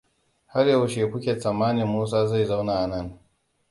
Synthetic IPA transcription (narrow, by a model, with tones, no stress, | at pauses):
ha˦rjɐ˨wʃeː˨kʷʊ˦kʲe˨sɐ˨mːaː˦nɪ˨mːoː˦s̬aː˦za˦˨jza˦wna˨ʔa˨nɐ˦˨ŋ